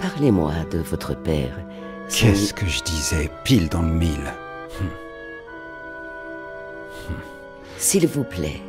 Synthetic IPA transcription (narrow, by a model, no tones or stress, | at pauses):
paʁlemwad̪əvɔt̪χəpɛ̰ːʁ | sʰɛskəʒəd̪izɛpild̪ɑ̃ləmil̩ | silvuplɛ̰